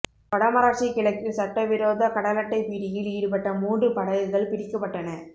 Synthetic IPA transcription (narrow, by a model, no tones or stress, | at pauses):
pɐɽɐmɐɾaːʈt͡ʃɪkːɪɭɐɪkːɯsɐʈːɐʋɪɾoːðɐkɐɽɐlɐʈːɐɪpiːɽɪjɪliːɾɯpɐʈːɐmuːɳɖɯpɐɽɐjɯɣɐɭpɪɾɪkːɐpːɐʈːɐnɐ